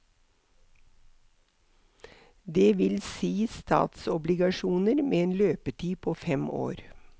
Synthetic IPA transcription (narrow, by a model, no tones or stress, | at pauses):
d̪eːʋɪlsiːst̪ʰɑ̰ːt̪sɔblɪɡɑʃuːnəɾmeːeːnløːpət̪ʰiːpʰoːfɛmo̰ːɾ